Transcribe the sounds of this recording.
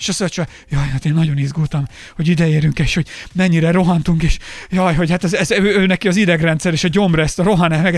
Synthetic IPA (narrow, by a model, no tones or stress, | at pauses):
eʃɒsøt͡ʃɒ | jɒːjhat̪eːnːɒɟo̞nizɡult̪ɒm | hoɟid̪ɛeːɾyŋkeːʃho̞ɟmɛɲːiɾɛɾoɦɒnt̪uŋkeːʃjɒːjɦo̞ɟhat̪ɛzɛzøøːnɛkiɒzid̪ɛɡrɛnt̪sɛɾeːʃɒɟo̞mrɛst̪ɒɾo̞ɦɒnɛmɛɡ